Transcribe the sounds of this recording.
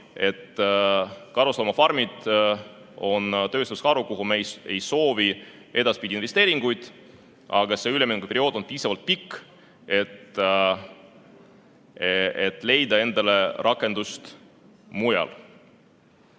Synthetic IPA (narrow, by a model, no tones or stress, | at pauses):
e̞t̪ː | kɑɾuslɑmɑfɑrmid̪̥ | o̞nt̪ø̞ːst̪uskɑɾukuɦumeje̞jso̞ːvi | ʔe̞d̪̥ɑspid̪ʲinve̞st̪e̞ːɾiŋɡ̥ujd̪̥ | ʔɑ̰ɡ̥ɑse̞ylemenkupe̞ɾioːd̪̥o̞npiːsɑvɑlt̪̚pikː | e̞t̪ | et̪ːˑle̞jd̪ɑe̞nd̪̥ɑle̞rʔɑkːˑe̞nd̪ust̪ | mujɑ̰l